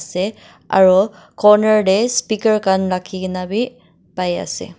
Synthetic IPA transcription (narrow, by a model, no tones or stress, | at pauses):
sɛ | a̰ɹu | kɔɹnaɹdespikəɹkanlakʰiknabi | paja̰sɛ̰